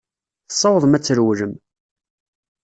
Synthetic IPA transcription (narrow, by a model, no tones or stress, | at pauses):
θəsˤːɑwəðˤmæt͡sːəɾwləm